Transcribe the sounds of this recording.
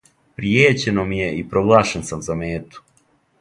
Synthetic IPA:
pɾjeːt͡ɕe̞nomije̞ipɾo̞ɡlˠaːʃensamzameːt̪u̥

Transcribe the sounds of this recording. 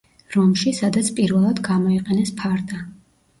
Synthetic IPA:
ɾɔmʃisad̪at̪sʰpʼiɾvɛlˠad̪ɡamɔiqʼɛnɛspʰaɾd̪a

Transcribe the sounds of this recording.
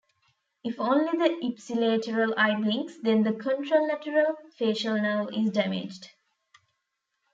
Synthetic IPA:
ifõːnlid̪əʔibsileːʈəɾəlaɪblĩŋksd̪ẽnd̪əkʰə̃ɳʈɾolnæʈəɾəlfeːʃəlnaʊɪzɖæmɪ̰d͡ʒɖ

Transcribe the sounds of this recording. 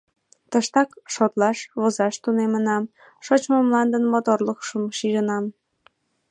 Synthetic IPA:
t̪əʃt̪ɑkʃot̪lɑʃβozɑʃt̪unemənɑm | ʃot͡ɕmomlɑnd̪ənmot̪orləkʃəmʃiʒənɑm

